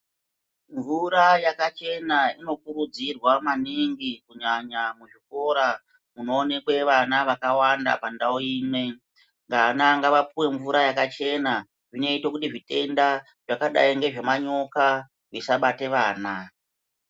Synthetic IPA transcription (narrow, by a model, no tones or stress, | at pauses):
ɱvuɾajakat͡ʃe̞naino̞kuɾud͡zirwamaniŋɡikuɲaɲamuʐiko̞ɾa | muno̞ːne̞kwe̞ʋanaʋakawanda̰pandaoiːme̞ | ŋɡanaŋɡaʋapuwe̞ɱvuɾajakat͡ʃe̞na | ʐine̞itokutiʐite̞nda | ʐ̥akaɗa̰iŋɡe̞ʐe̞maɲo̞ka | ʐisaɓate̞ʋaːna